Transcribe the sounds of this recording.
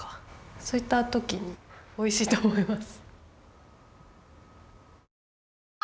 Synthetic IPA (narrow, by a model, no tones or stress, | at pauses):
so̞it̪ːat̪o̞kʲiɲ̟io̞iɕiːt̪o̞ːmoimasɨ̥